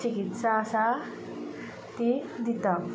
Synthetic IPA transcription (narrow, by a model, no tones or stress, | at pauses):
t͡ɕikit̪saːsa | t̪id̪it̪a